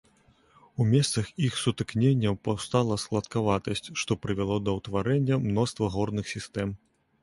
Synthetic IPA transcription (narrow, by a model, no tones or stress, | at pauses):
umʲɛst̪sɐxixsut̪ɨknʲenʲːɐpawst̪alˠɐsklˠɐt̪kavat̪ɐsʲt͡sʲʂt̪ɔpɾɨvʲalˠɔd̪ɐwt̪vaɾɛnʲːɐmnɔst̪vɐɣɔrnɨxsʲist̪ɛm